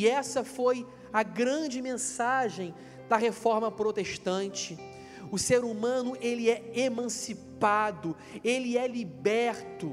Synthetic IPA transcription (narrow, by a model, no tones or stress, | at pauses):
ɛsɐfoj | ɐɡɾɐ̃d͡ʒɪmẽsaʒẽj̃ | d̪ɐɦefɔɾmɐpɾot̪eʃt̪ɐ̃nt͡ʃɪ | ʊseɾumɐ̃nʊʔelɪɛemɐ̃sipad̪ʊ | elɪɛlibɛɾt̪ʊ